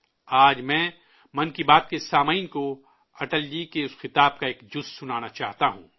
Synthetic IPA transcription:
aːd͡ʒmɛ̃ː | mɐ̃nkibaːt̪̚kesaːmaiːnko | ɐʈəld͡ʒikeʊsxɪt̪aːb̚kaeːkd͡ʒʊssʊnaːnat͡ʃaːɦt̪aɦṵ̃ː

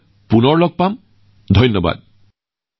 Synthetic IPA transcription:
punɔɹlɔɡ̚pam | d̪ʱɔjnjɔba̰d̪̚

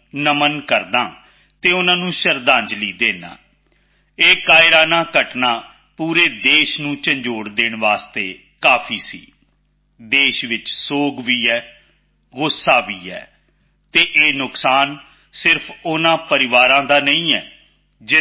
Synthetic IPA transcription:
nəmənkəɾd̪ãː | t̪eːʊnãːnũːʃəɾd̪ãːɲd͡ʒliːd̪eːnã̰ː | eːkaːɪɾaːnaːkəʈnaː | puːɾeːd̪eːʃnũːt͡ʃəɲd͡ʒoːɽd̪eːɳʋaːst̪eː | kaːpʰiːsḭː | d̪eːʃʋɪt͡ʃsoːɡʋiːɛː | ɣʊsaːʋiːɛ̰ː | t̪eːʔeːnʊksaːn | sɪɾpʰʊnãːpəɾɪʋaːɾãːd̪aːnəĩːɛː | d͡ʒɪ

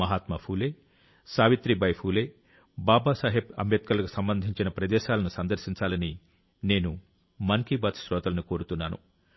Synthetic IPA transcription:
mɐɦaːt̪mɐpʰuːleː | saːʋit̪ɾibɐjpʰuːleː | baːbaːsɐːɦebɐ̰mjɐt̪̚kɐlɐku̥sɐmbɐnd̪ʱiɲt͡ʃinɐpɾɐd̪ɛːʃaːlɐnusɐnd̪ɐɾʃiɲt͡ʃaːlɐni | ne̞ːnu | mɐŋkibɐt̪ʃɾɔːt̪ɐlɐniko̞ːɾut̪unːaːnṵ

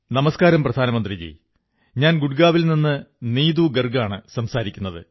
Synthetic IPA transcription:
nɐmɐskaːɾɐmprɐd̪ʱaːnɐmɐnd̪rid͡ʑḛj | ɲaːnɡuɽɡaːʋilninːɨniːd̪uɡɐrɡaːɳɨsɐmsaːɾikʲːunːɐðɨ̰

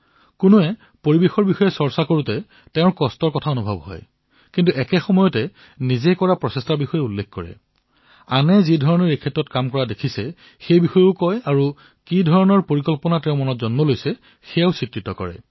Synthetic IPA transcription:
kʊnuɛ | poɹibexɔɹbixɔjɛsɔɹsakoɹutɛ | tɛʊɹkɔstɔɹkɔtʰaonubʱɔbɦɔ̰j | kintuʔɛkɛxɔmɔjɔtɛ | nizɛkɔɹapɹɔsestaɹbixɔjɛulːekkɔɹɛ̰ | anɛzidʱɔɹɔnɔɹekʰɛtɹɔtkamkɔɹadekʰisɛ | xejbixɔjʊkɔjaɹu | kidʱɔɹɔnɔɹpoɹikɔlpɔnatɛ̃ʊ̃mɔnɔtzɔnmɔlojsɛ | xɛjaʊsitɹitɔkɔ̰ɹɛ̰

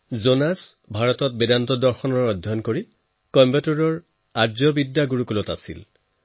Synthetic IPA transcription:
zonas | bʱaɹɔtɔt̚bedantɔdɔɹxɔnɔɹɔdʱjɔnkoɹi | kɔmbɛtuɹɔɹ | azɔbidːaɡuɹukulɔta̰sḭl

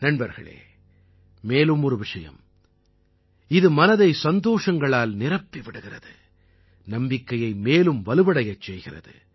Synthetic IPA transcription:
nɐɳbɐɾɣɐ̰ɭḛː | meːlɯmɔɾɯʋɪʂɐjɐ̰m | ɪðɯmɐnɐðɐɪsɐnd̪oːʂɐŋɡɐɭaːlnɪrɐpːɪʋɪɽɯɣɪrɐðɯ | nɐmbɪkːɐjɐɪmeːlɯmʋɐlɯʋɐɽɐjɐt͡ʃːɛjɣɪrɐ̰ðɯ̰

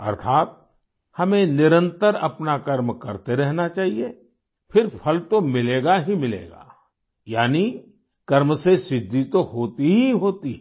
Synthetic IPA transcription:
ɐ̰ɾt̪ʰaːt̪̚ | hɐmẽnɪɾə̃nt̪əɾɐ̰pnakɐɾmkɐɾt̪eɾɛɦnat͡ʃaːɦie | pʰɪɾpʰɐlt̪omɪleːɡaɦimɪlḛːɡa̰ː | jaːni | kɐɾmsesɪd̪ʱːit̪oɦoːt̪iɦiɦoːt̪iɦɛ

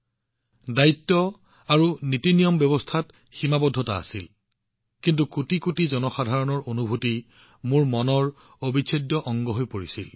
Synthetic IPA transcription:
daitːɔ | aɹunitinijɔmbɛbɔstʰat | ximabɔdʱːɔtaa̰sil | kint̬ukutikutizɔnɔxadʱaɹɔnɔɹonubʱuti | muɹmɔnɔɹ | obikʰedjɔʔɔŋɡɔɦojpoɹisil

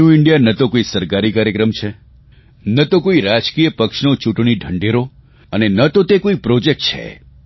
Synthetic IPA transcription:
uɪɳɖijanət̪okoisəɾkaɾikaɾjəkɾəmt͡ʃʰe | nət̪okoiɾad͡ʒkijəpəkʃnot͡ʃuʈɳ̃iɖʱəɳɖeɾo | ənenət̪ot̪ekoipɾod͡ʒek̚ʈ̚t͡ʃʰḛ

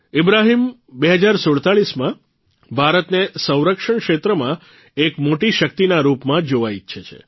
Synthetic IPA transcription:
ɪbɾaɦimbeɦəd͡ʒaɾsoɭt̪aɭismã | bʱaɾət̪nesə̃w̃ɾəkʂəɳkʃet̪ɾəmã | ekmoʈiʃək̚t̪inaɾupmãd͡ʒoʋait͡ʃʰʃʰet͡ʃʰḛ

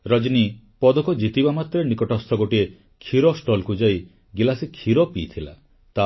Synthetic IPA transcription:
ɾɔd͡ʒini | pɔd̪ɔkɔd͡ʒit̪ibamat̪ɾenikɔʈɔst̪ʰɔɡoʈie | kʰiɾɔsʈɔlkud͡ʒaj | ɡilasikʰiɾɔpit̪ʰila̰ | t̪a

